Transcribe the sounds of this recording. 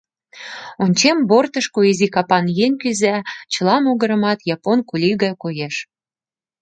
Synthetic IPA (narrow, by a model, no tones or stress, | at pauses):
onʲt͡ɕembort̪əʃkoizʲikɑpɑnjeŋʲkyzæt͡ɕə̆lɑmoɣəɾə̆mɑt̪jɑponkulʲiɣɑkojeʃ